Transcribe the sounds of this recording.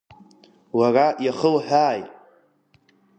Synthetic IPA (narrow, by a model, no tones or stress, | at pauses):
warajaχəlħaːj